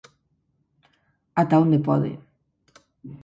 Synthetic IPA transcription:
at̪aond̪epɔ̰ðḛ

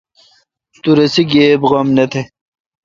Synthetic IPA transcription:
t̪uɾɐsiɡeːbɣɐmnɐt̪ʰe

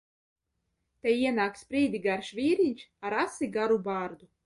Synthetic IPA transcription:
t̪ɛjiɛnaːkspɾiːd̪ʲiɡaɾʃvʲiːɾinʲt͡ʃaɾasiɡaɾubaːɾd̪u

